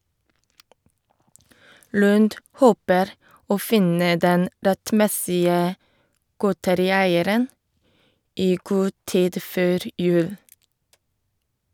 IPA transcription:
ˈlʉːnd ˈhoːpəɾ ˈoː ˈfɪnə ˈdɛn ɾɛtˈmɛsɪə ˈɡoːtəɾɪˌæɪəɾən ˈiː ˈɡuː ˈtiːd ˈføːɾ ˈjʉːl

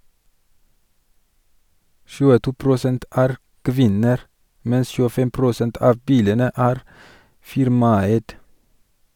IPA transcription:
ʃʉːəˈtuː pɾʊˈsɛnt ˈæːɾ ˈkʋɪnəɾ ˈmɛns çʉːəˈfɛm pɾʊˈsɛnt ˈɑːʋ ˈbiːlənə ˈæːɾ ˈfɪɾmɑˌæɪd

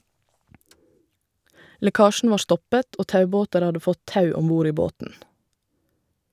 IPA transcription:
lɛˈkɑːʃɳ̩ ˈʋɑː ˈstɔpət ˈoː ˈtɑʉˌboːtəɾ ˈɑdə ˈfɔt ˈtɑʉ ˈɔmˌbuːɾ ˈiː ˈboːtn̩

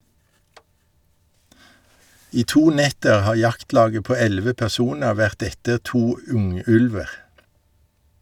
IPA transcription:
ˈiː ˈtuː ˈnɛtəʁ ˈhɑː ˈjɑktˌlɑːɡə ˈpoː ˈɛlʋə pɛʁˈsuːnə ˈʋæʁt ˈɛtəʁ ˈtuː ˈʉŋˌʉlʋəʁ

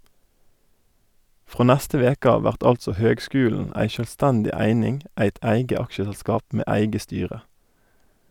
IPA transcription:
ˈfʁoː ˈnæstə ˈʋeːk ˈɑː ˈʋæʁt ˈɑltsɔ ˈhøːɡˌskʉːln̩ ˈæɪ ˈʃøːlˌstɛndɪ ˈæɪnɪŋ ˈæɪt ˈæɪɡə ˈɑkʃəsɛlˌskɑːp ˈmeː ˈæɪɡə ˈstyːʁə

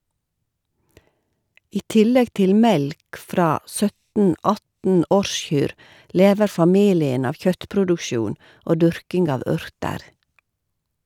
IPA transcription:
ˈiː ˈtɪlɛɡ ˈtɪl ˈmɛlk ˈfɾɑː ˈsœtn̩ ˈɑtn̩ ˈɔɾˌʃçyːɾ ˈleːʋəɾ fɑˈmiːlɪən ˈɑːʋ ˈçœtpɾʊdʊkˌʃjuːn ˈoː ˈdʉɾkɪŋɡ ˈɑːʋ ˈʉɾtəɾ

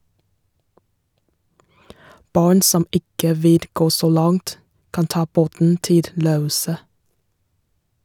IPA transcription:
ˈbɑːɳ ˈsɔm ˈɪkə ˈʋɪl ˈɡoː ˈsoː ˈlɑŋt ˈkɑn ˈtɑː ˈboːtn̩ ˈtɪl ˈɾøːˌuːsə

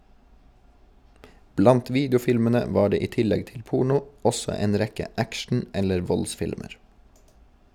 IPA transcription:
ˈblɑnt ˈʋiːdjʊˌfɪlmənə ˈʋɑː ˈɖeː ˈiː ˈtɪlɛɡ ˈtɪl ˈpuːɳʊ ˈɔsɔ ˈeːn ˈɾɛkə ˈækʃɳ̩ ˈɛləɾ ˈʋɔlˌsfɪlməɹ

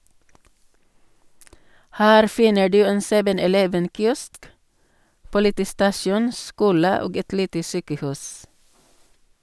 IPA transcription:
ˈhæːɾ ˈfɪnə ˈɖʉː ˈeːn ˈsɛʋən ɛˈlɛʋən ˈkjɔsk ˈpʊlɪtiːˌstɑsjuːn ˈskuːlə ˈoːɡ ˈɛt ˈliːtə ˈsyːkəˌhʉːs

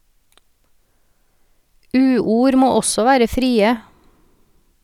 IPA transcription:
ˈʉːˌuːɾ ˈmoː ˈɔsɔ ˈʋæːɾə ˈfɾiːə

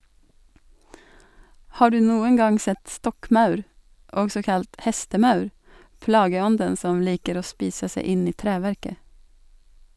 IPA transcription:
ˈhɑː ˈɖʉː ˈnuːəŋ ˈɡɑŋ ˈsɛt ˈstɔkˌmɑʉɾ ˈɔɡsɔ ˈkɑlt ˈhɛstəˌmɑʉɾ ˈplɑːɡəˌɔndən ˈsɔm ˈliːkəɾ ˈoː ˈspiːsə ˈseɪ ˈɪn ˈiː ˈtɾæːʋæɾkə

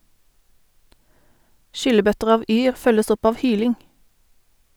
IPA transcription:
ˈʃʏləˌbœtəʁ ˈɑːʋ ˈyːʁ ˈfœləs ˈɔp ˈɑːʋ ˈhyːlɪŋ

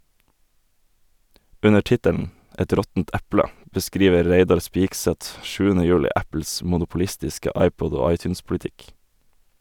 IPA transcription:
ˈʉnə ˈʈɪtəln̩ ˈɛt ˈɾɔtn̩t ˈɛplə bəˈskɾiːʋə ˈɾeɪdɑɾ ˈspɪɡˌsɛt ˈʃʉːənə ˈjʉːlɪ ˈæpl̩s mʊnʊpʊˈlɪstɪskə ˈɑɪˌpɔd ˈoː ˈɑɪˌtjʉːnspʊlɪˌtɪk

